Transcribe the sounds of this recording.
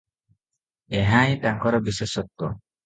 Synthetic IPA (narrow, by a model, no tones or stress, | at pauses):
eɦãjtaŋkɔɾɔbiseʃɔt̪ːɔ